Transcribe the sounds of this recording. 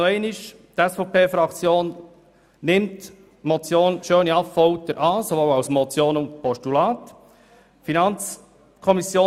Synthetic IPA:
oɛɪnɪʃ | d̥ɛsfɔʊpʰeːfɾɑkt͡sjoːn | nɪmt | mɔt͡sjoːnʃøːniɑpfɔʊt̪əɾʔɑːsoʋoʊaʊsmot͡sjoːnʊnt̪pʰɔstulɑːt | finɑnt͡s | kʰɔmisjoː

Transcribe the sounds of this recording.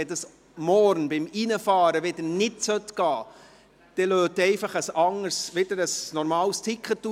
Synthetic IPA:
ɛdəs | mɔɾnbɪminəfɑːɾəʋɪd̪ənɪtsœtɡ̥ɑː | d̪̥ɛløːtɛɪfɑχəsɑŋəɾsʋɪd̥əɾəsnɔɾmɑːlst̪ʰɪkχətːu

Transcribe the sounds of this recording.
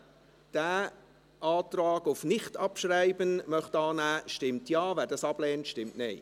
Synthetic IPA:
d̥æː | ʔɑːtraːɡʊfnɪχtɑpʃraɪbənmœχtɑːnæːʃtɪmtjɑːvæːɾdɑsɑb̥lɛːntʃtɪmtnɪɪ

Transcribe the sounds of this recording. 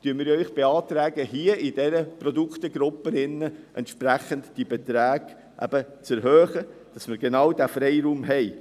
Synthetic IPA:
tyənmɪːɾœʏχb̥eɑːt̪ɾæːɡəhiəʔɪdɛɾəprɔd̪ukχt̪əɡɾʊpːənɪnːəʔɛ̰ntʃpɾæχəntd̥ibɛt̪ɾæːɡ̥ | ʔæ̰b̥ət͡sɛɾɦœːχəd̥ɑsmɪɾɡenɑwdæfɾɛɪɾuːmɦɛɪ

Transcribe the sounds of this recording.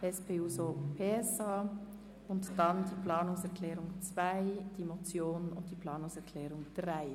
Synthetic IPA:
ʔɛspʰeːuːzopʰeːɛsɑː | ʊntd̥andiːpl̥ɑːnʊŋsɛʁkʰl̥ɛːʁʊŋt͡sv̥aɪd̥iːmot͡sjoːnʊ̰ntd̥iːplɑːnʊŋsɛʁkʰlɛːʁʊŋd̥ʁaɪ

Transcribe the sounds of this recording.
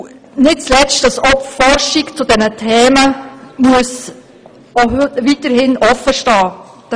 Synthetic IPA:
nɪt̚t͡slɛt͡stdɑsɔpfɔɾʃɪkt͡sudɛnətʰɛːməmuəs | oɦvitəɾhɪnʔɔfːəʃtɑː | d̥

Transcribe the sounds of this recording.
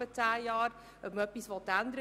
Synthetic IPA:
ətæːjɑːr | əməpisvɔtænd̪ɾə

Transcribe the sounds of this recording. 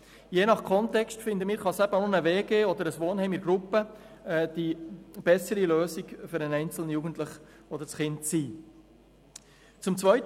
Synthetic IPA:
jeːnɑχkʰɔntɛkstfɪnd̪əmiːɾχɑsæb̥ənʊnəveːɡeːɔd̪əɾəsʋoːnhɛɪmɪɡɾupə | ɛːd̥ib̥ɛsəɾiløːsiɡfʏɾɛnɛɪnt͡sl̩nəjuːɡən̩tlɪχ | ɔd̪əɾsχɪntsiː | t͡sʊmt͡svœʏt

